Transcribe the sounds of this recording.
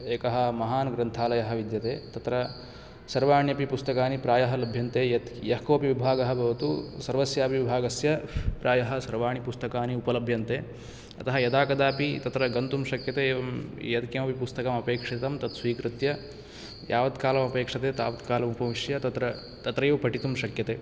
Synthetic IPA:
eːkɐɦɐ̆mɐɦaːnɡɾɐnt̪ʰaːlɐjɐɦɐ̆ʋid̪jɐt̪eːt̪ɐt̪ɾɐ | sɐɾʋaːɳjɐpipust̪ɐkaːnipɾaːjɐɦɐlɐbʱjɐnt̪eːjɐt̪jɐɦkoːpiʋibʱaːɡɐɦɐ̆bʱɐʋɐt̪usɐɾʋɐsjaːpiʋibʱaːɡɐsjɐpɾaːjɐɦɐ̆sɐɾʋaːɳ̃ipust̪ɐkaːniupɐlɐbʱjɐnt̪eː | ɐt̪ɐɦɐjɐd̪aːkɐd̪aːpit̪ɐt̪ɾɐɡɐnt̪umʃɐkjɐt̪eːʋɐmjɐt̪kɐmɐpipust̪ɐkɐmɐpeːkʂit̪ɐmt̪ɐt̪sʋiːkɾɨt̪jɐ | jʔaːʋɐd̪kaːlɐmɐpeːkʂɐt̪eːt̪a̰ːʋɐd̪kaːlɐmupɐʋiʂjɐt̪ɐt̪ɾɐ | t̪ɐt̪ɾɐjuːpɐʈit̪umʃɐkjɐt̪eː

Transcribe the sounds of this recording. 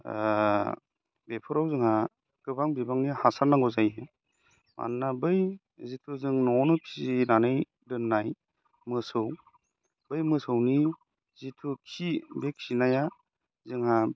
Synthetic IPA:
bepʰɯɾawzɯŋha | kɯbaŋbibaŋnihasaɾnaŋɡɔzaje | mʔa̰nːabɯj | zitʰuzɯŋnɔnɯpʰizinanɯj | dɯnːaj | mɯsɯw | bɯjmɯsɯwni | zitʰukʰibekʰinaja | zɯŋɦa

